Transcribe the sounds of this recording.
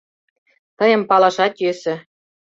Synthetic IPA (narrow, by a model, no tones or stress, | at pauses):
t̪ɤ̆jɤ̆mpɑlɑʃɑt̪jøsɘ̆